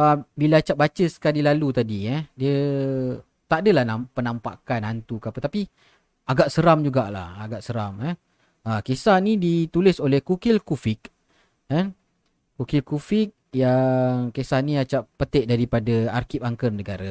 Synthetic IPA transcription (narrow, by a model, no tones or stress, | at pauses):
əbilat͡ʃaʔ̚bat͡ʃəsə̥kalilalut̪adiɛdiə | t̪aʔdəlahnapənampa̰kanant̪ukapət̪api | aɡaʔsəɾamd͡ʒuɡaʔla̰haɡaʔsəɾamɛ | əkesanidit̪ulɪsolɛhkukɪlkufɪk̚ː | an | kukilkufɪk̚jaŋkesahniat͡ʃaʔpət̪ɛʔ̚daɾipadaarkip̚aŋkərnəɡaɾa